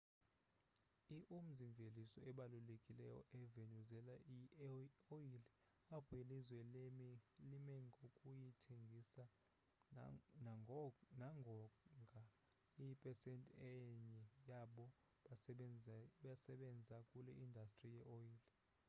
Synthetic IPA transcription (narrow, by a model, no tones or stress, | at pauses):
iʔum̩ziɱvʱelisɔɛɓalulekʼilɛ̰jɔ̰ʔɛvenuzɛlai | ojili | apʰuilizwɛlemilimɛŋɡʱokʼujitʰeŋɡʱisa | nnaŋɡʱɔŋɡʱa | ipʼɛsɛntʼɛɲɛjaɓɔ | ɓasɛɓɛnd͡zʱakʼulɛʔindʱastʼrijɛʔoiːli